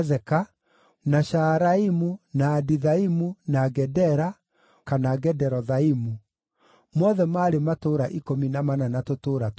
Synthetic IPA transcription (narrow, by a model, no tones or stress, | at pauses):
zɛka | naʃaɾaimunaːdiðaimunaɡɛdɛɾa | kanaɡɛdɛɾɔðaimu | mɔðɛmaːɾematoːɾaʔikominamananatotoːɾat